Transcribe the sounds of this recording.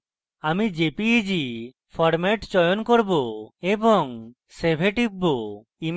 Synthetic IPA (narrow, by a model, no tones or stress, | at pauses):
amid͡ʒepid͡ʒi | pʰɔɾmeʈt͡ʃɔjonkoɾboebɔŋ | sebʱeʈibːo | im